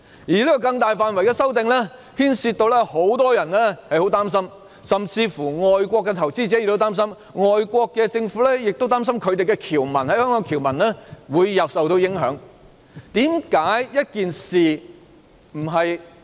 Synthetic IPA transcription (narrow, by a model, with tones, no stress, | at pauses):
jiː˨˩liː˥kɔː˧kɐ˧ŋt̪aː˨jfaː˨˧nwɐ˨˩jkɛː˧sɐ˥wt̪ɪ˨ŋlɛː˥ | hiː˥nsiː˧t̪o˧wlɛː˥ho˨˥wt̪ɔː˥jɐ˨˩nlɛ˥hɐ˨jho˨˥wt̪aː˥ms̬ɐ˥m | sɐ˨mt͡siː˧fuː˨˩ŋɔː˨jkʷɔː˧kːɛ˧t̪ʰɐ˨˩wt͡siː˥t͡sɛː˨˥ɪ˨kto˥t̪aː˥msɐ˥m | ŋɔː˨jkʷɔː˧kːɛː˧t͡sɪ˧ŋfu˨˥lɛ˥jɪ˨k̚t̪o˥wt̪aː˥msɐ˥mkʰɵ˨˧ɥt̪e˨jkɛ˧kʰiː˨˩wmɐ˨˩nhɐ˨˥jhœː˥ŋkɔː˨˧ŋkʰiː˨˩wmɐ˨˩nlɛː˥wuː˨˧jːɐ˨p̚sɐ˨wt̪o˧wjɪ˨˥ŋɦœ̰ː˨˥ŋ | t̪iː˨˥mkaː˨˥jjɐ˥t̚kiː˨nsiː˨˩ | m̩˨˩ɦɐ˨j